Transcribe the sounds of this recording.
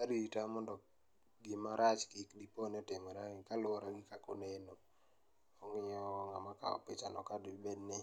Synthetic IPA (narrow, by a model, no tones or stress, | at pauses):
kaditamɔndɔ | ɡɪmaɾʔat͡ʃkɪkdiponeɔtɪmɔɾakalʊɔɾaɡɪkakoneno | ɔŋɪɲɔŋamaka̰ɔ̰pɪt͡ʃanɔ̰kadbedne